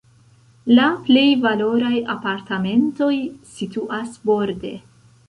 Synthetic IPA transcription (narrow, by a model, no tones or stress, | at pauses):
laple̞jvalo̞ɾajapaɾtame̞nto̞jsituʔasbo̞ɾde̞̰